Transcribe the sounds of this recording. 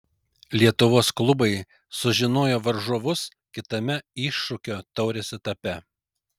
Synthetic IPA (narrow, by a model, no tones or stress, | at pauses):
lʲiɛt̪ʊʋoːsklˠʊbɐɪ | sʊʒʲɪnoːjoːʋɐɾʒuɔʋʊs | kʲɪt̪ɐmʲɛɪʃːʊkʲoːt̪ɒʊɾʲesʲɪt̪ɐpʲɛ